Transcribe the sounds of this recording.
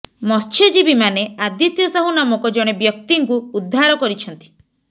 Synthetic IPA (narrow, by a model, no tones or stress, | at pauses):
mɔst͡ʃʰed͡ʒibimanead̪jɔt̪jɔsaɦunamɔkɔd͡ʒɔɽ̃ebjɔkt̪iŋkuːd̪ʱːaɾɔkɔɾit͡ʃʰɔnt̪i̥